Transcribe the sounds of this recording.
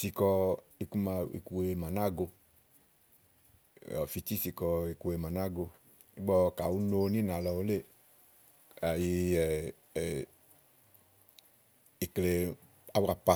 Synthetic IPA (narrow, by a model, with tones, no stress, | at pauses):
si˨˧kɔ˧ | i˧ku˧ma˧ḭ˨ku˧we˧ma˨na˦˨ɡo˧ | ɔ̰˨fi˧t͡ʃi˦si˧kɔ˧i˨ku˧we˧ma˨na˦˨ɡo˧ | i˦ɡ͡bɔ˧ka˨wu˦no˧nĩ˦na˨lɔ˧wo˦le˦˨ | a˨ji˧ɛ˨ | i˨kle˨ | a˨˦wa˧pa˧˨